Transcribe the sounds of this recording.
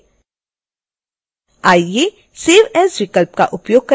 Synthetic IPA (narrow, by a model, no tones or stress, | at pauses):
aːje | seʋɛsʋɪkəlp̚kaʔʊpjoːɡ̚kɐ